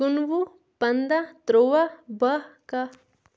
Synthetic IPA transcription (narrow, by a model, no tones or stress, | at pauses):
unʋu | pɐnd̪ɐt̪ɾoːʋɐbɐkɐ